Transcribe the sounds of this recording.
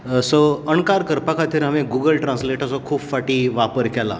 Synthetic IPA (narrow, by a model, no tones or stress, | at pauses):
soəɳkaɾkəɾpakat̪ʰiɾaʋẽɡuɡəlʈɾãnsleʈasɔkʰuːbfaʈiːʋapəɾkɛla̰